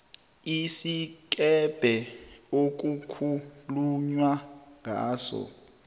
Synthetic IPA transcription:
isik̬ʼɛb̥ʱɛok̬ʼukʰuluɲwaŋʱa̰ːsɔ̰

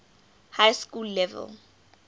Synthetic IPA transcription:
hajskulːɛvɛ̰l

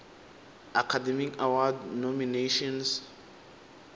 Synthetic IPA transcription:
akʰadɛmikawadnɔmineʃɔ̃ns

